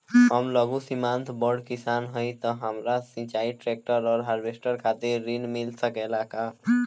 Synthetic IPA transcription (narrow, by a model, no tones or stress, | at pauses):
ɦəmləɡusimant̪ʰbəɖkisanɦəjt̪ɔɦəmɾasĩt͡ʃaiʈɾek̚ʈəɾɔːɾɦaɾbesʈəɾkʰat̪eɾinmilsəkɛlaka